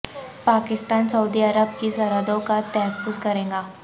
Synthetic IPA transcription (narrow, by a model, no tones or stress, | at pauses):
paːkɪst̪aːnsɐud̪iɐɾəbkisɐɾəd̪õkat̪ɛɦɛfʊzkɐɾẽːŋɡaː